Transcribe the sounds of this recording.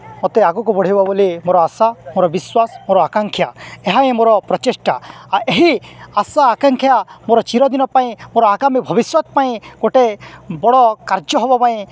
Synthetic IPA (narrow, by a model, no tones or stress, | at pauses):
ɔt̪eaɡɔkubɔɽ̤ʱijbabolimoɾɔasamoɾɔbiswasmoɾɔakaŋkʰjaeɦaĩmoɾɔpɾɔt͡ʃesʈaaʔeɦiasaːkaŋkʰjamoɾɔt͡ʃiɾɔd̪inɔpaĩmoɾɔaɡamibʱɔbiswɔt̪̚paĩkoʈebɔɽɔkaɾd͡ʒjɔɦebɔpaĩ